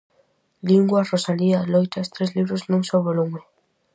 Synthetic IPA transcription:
liŋɡwarosalialojt̪ast̪ɾezliβɾoznũŋsoβolume

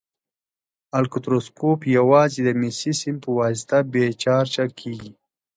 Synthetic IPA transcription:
alkut̪ɾoskopjawɑːzid̪əmisisimpəwɑst̪abet͡ʃɑːɾt͡ʃakʰiːɡi

